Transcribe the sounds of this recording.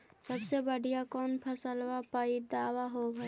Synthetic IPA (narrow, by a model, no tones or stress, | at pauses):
səbsebəɽijakɔːnpʰəsəlʋapaːid̪aːʋaɦobʱəi